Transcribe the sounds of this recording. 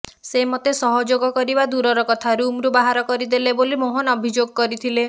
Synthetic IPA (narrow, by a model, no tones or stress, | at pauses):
semɔt̪esɔɦɔd͡ʒoɡɔkɔɾibad̪uɾɔɾɔkɔt̪ʰaɾumɾubaɦaɾɔkɔɾid̪elebolimoɦɔnɔbʱid͡ʒoɡɔkɔɾit̪ʰile